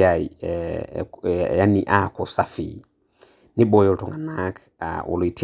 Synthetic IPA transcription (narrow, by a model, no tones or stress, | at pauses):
ai | janiʔakɔsafḭ | niɓɔjɔltɔŋɡanak | ʔɔ̰litʰ